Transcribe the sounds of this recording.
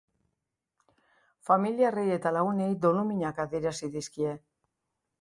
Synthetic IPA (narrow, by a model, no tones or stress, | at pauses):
familiareje̞t̪alaɣune̞jd̪o̞numiɲakaðie̞ɾasiðiskie̞